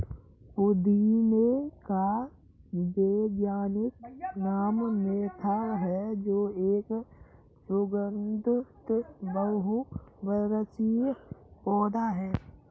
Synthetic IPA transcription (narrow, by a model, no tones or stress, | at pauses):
pʊd̪imeka | beːɡjaːnɪknaːmneːt̪ʰaɾɦɛd͡ʒoːeːk | sʊɡənd̪ʱʊt̪bəɦubəɾət͡ʃipɔːd̪aɦɛː